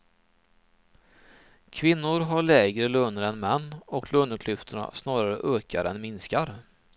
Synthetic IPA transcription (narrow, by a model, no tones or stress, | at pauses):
kʰvɪnːʊɾɦaɭɛːɡɾəlɵnəɾɛnmɛnːɔkʰlɵnəkʰlʏft̪ʰəɳa̰snɑːɾaɾə̰ʔœːkʰa̰ɾɛnmɪnskaɾ